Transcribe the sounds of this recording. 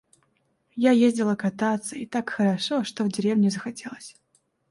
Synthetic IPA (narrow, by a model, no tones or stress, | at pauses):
jajezʲdʲɪlˠəkɐt̪at̪səit̪akxəɾɐʂoʂt̪ovdʲɪɾʲevnʲɪzəxɐtʲe̞lˠəsʲ